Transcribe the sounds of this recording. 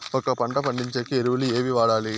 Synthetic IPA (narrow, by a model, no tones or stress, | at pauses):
ɔkːɐpɐɳɖɐpɐɳɖiɲt͡ʃɐkːɯeɾɯʋɐlɯeːʋiʋaːɽaːli